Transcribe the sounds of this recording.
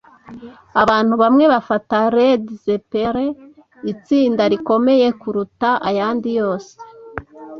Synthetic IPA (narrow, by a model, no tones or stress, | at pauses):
aβaːn̥huβamŋe̞βafataɾedzepeɾe | it͡siːndaɾiko̞me̞je̞kuɾutaʔajaːndijo̞ːse̥